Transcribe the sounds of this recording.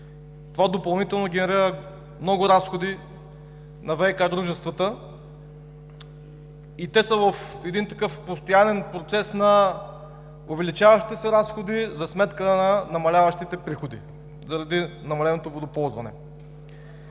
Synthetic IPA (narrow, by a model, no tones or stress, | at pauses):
t̪ovad̪opɐlˠnit̪ɛlˠnoɡʲɛnɛɾiɾə | mnɔɡʊɾasxod̪i | nɐvɛjkad̪ɾuʒɛst̪vət̪ə | it̪ɛsəvəfɛd̪int̪ɐkɤfpost̪ojanɛnpɾot̪sɛsnɐ | ovɛlit͡ʃavɐʃt̪i̥t̪ɛsɛɾasxod̪izɐsmɛt̪kənɐnɐmɐlʲavɐʃt̪it̪ɛpɾixod̪ḭ | zɐɾɐd̪inɐmɐlɛnot̪ovod̪opɔlˠzvɐnɛ̰